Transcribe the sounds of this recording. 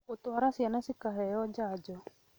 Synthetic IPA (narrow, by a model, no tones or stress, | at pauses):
ot̪waɾasianasikaɦɛjɔd͡ʒad͡ʒɔ